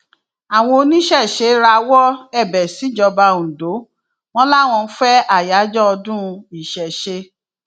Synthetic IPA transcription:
a˨w̃ɔ̃˧o˧nĩ˦ʃɛ˦˨ʃe˨˦ɾa˧wɔ˦ɛ˦˨bɛ˨si˨˦d͡ʒɔ˧ba˧ũ˨do˨˦ | w̃ɔ̃˦la˦˨w̃ɔ̃˧˦fɛ˦a˦˨ja˨˦d͡ʒɔ˦ɔ˧dũ˦˧i˨ʃɛ˨ʃe˧

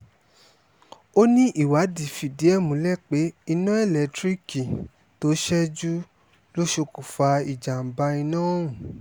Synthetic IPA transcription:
o˦nĩ˦ʔi˦˨wa˨˦di˨fi˨di˨˦ɛ˦˨mũ˨˦lɛ˦˨k͡pe˨˦i˧nũ˦ɛ˦˨lɛ˨˦tɾi˦ki˨ | to˨˦ʃɛ˦d͡ʒu˦ | lo˦ʃo˧ku˨fa˧i˨d͡ʒa˨m̩˨ba˧i˧nãː˦˨ũ˨

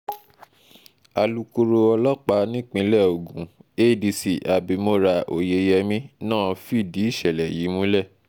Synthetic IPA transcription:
a˨lu˧ko˧ɾo˧ɔ˧lɔ˦k͡pa˧nĩ˦k͡pĩ˨˧˦lɛ˦˨o˨ɡũ˨˦e˦˨di˧si˨ʔa˨bi˧mo˧ɾa˧o̰˨je˧jɛ˧mĩ˦nãː˦˨fi˦˨di˨˦i˦˨ʃɛ˨lɛ˨ji˨˦mũ˦lɛ˦˨

